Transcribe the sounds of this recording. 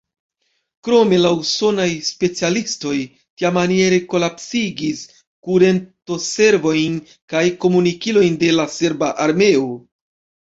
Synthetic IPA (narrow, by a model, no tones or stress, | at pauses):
kɾo̞me̞lauso̞najspe̞t͡sialisto̞j | tiamanie̞ɾe̞ko̞lapsiɡis | kuɾe̞nto̞se̞ɾvo̞jn | kajko̞munikilo̞jnde̞lase̞ɾbaʔaɾme̞o